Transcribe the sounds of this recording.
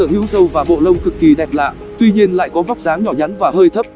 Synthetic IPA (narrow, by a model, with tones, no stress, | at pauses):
əː˧˩hi˨˦əwzə˧wvaː˨˩ɓo̰˧˨lə˧wŋ͡mkɨ˨˩kːi˨˩ɗɛ˨˩p̚la̰ː˧˨ | t̪wi˧ɲi˧ənla̰ː˧˨jkɔ˨˦va˦˥wk͡p̚zaː˨˦ŋɲɔ˧˩ɲa˨˦nvaː˨˩həː˧jt̪ʰə˦˥p̚